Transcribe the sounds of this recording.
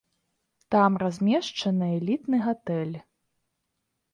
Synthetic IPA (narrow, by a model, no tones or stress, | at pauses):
t̪amrazʲmʲɛʂt͡ʂɐnɨɛlʲit̪nɨɣat̪ɛlʲ